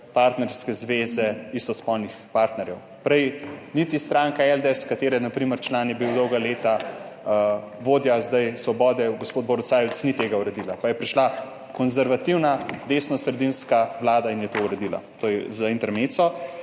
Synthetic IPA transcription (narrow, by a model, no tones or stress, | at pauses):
paɾt̪nɛɾskɛzʋezɛist̪ɔspɔlnixpaɾt̪nɛɾjɛw | pɾɛjnit̪ist̪ɾaːŋkaɛld̪ɛskat̪eːɾɛnapɾiməɾt͡ʃlaːnjɛbiwd̪ɔwɡaleːt̪a | ʋoːd̪jazd̪ajsʋɔbɔːd̪ɛɡospoːd̪̚bɔɾt̪saːjɛt̪snit̪eːɡauɾɛd̪iːlapajɛpɾiʃla | kɔnzɛɾʋat̪iwnad̪esnɔssɾɛd̪inskawlaːd̪ainjɛt̪ouɾɛd̪iːla̰t̪oːjɛzaint̪ɛɾmesɔ